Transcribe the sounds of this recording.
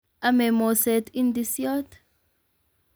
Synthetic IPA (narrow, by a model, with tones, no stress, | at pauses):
a˦mɛ˨mo˨sɛ˨ti˦ndi˦sjɔ˦t